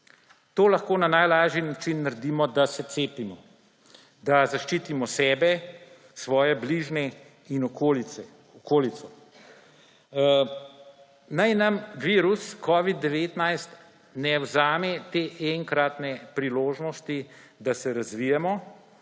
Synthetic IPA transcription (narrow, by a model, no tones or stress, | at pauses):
t̪oːlɐxkoːnanajlaːʒinat͡ʃinːaɾd̪iːmɔd̪asɛt̪seːpimɔ | d̪azaʃt͡ʃiːt̪imɔsɛːbɛ | sʋɔːjɛbliʒnɛ | inɔkoliɛ | ɔkoːlit̪sɔ | najnɐmʋiːɾuskʰɔːʋid̪̚ːɛʋeːt̪najst̪ | nɛwzaːmɛt̪eːʔɛŋkɾat̪nɛpɾiloːʒnɔst̪id̪asɛɾazʋijɛmɔ